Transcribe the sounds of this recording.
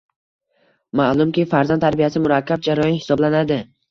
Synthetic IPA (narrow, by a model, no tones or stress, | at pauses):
malˠʊmkʲɪfaɾzanʰaɾbijasɪmʊɾakʲːab̚d͡ʒaɾɒjɒnhɪ̥sɒblanad̪ɪ